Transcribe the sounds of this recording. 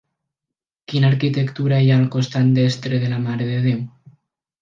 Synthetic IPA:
kinaɾkit̪ekt̪uɾaeaːlkost̪and̪est̪ɾeð̞elamaɾeðeðew

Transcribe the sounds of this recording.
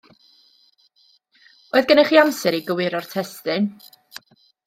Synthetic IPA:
oɨðɡənɛχiamsɛɾiɡəwɪɾɔrtʰɛstɨn

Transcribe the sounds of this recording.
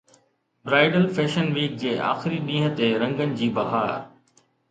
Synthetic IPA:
bɾaːɪɖəlfɛːʃənʋiːk̚d͡ʑeːʔa̰ːxɪɾiɗĩːɦə̆t̪eɾɐ̃ŋɡənɪ̆d͡ʑiːbɐɦaːɾ̰

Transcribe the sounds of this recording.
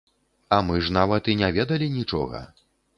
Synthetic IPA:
ɐmɨʐnavɐt̪inʲavʲɛd̪ɐlʲinʲit͡ʂɔ̰ɣɐ̰

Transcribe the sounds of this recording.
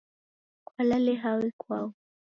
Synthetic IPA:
kwalalɛɦawɛkwaɔ

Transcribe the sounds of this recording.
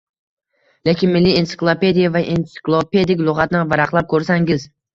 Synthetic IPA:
le̞kʲʰɪnmɪlːiensɪ̥klˠope̞d̪ijavaʔent̪sɪ̥klˠope̞d̪ɪkʲlˠʊʁɑt̪nɪvaɾɑqlˠap̚kʰɵɾsaŋɡʲɪz

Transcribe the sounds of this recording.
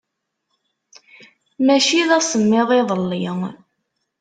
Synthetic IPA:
mæʃiðæsəmːɪðˤɪðˤəlːi

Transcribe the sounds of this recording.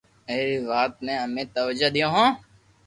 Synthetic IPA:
eːɾːʋaːt̪mẽːəmẽːt̪əʋəd͡ʒad̪ijõːɦõː

